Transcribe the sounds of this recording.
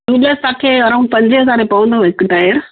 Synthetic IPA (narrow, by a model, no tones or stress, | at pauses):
uɗest̪ãːkʰeːɐɾaːʊ̃ɳɖ̚pɐ̃ɲd͡ʑɪɦɐzaːɾepɐʋə̃nd̪oɦɪkɖaːjəɾ